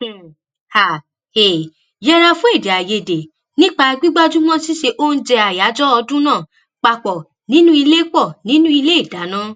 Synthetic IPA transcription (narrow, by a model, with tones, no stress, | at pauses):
ha˨ | e˨ | jɛ˦˧ɾa˧fũ˦e˦˨de˨a˨je˧˨de˨ | nĩ˦k͡pa˧a˧ɡ͡bi˦ɡ͡ba˦d͡ʒu˦mɔ̃˦si˦ʃe˧ʔo˦n̩˦d͡ʒɛ˧a˨ja˨˦d͡ʒɔ˦ɔ˧dũ˦nãː˦˨ | k͡pa˧k͡pɔ˨ | nĩ˦nũ˦i˧le˦k͡pɔ˦˨nĩ˨˦nũ˦i˧le˦i˦˨da˨˦nã˦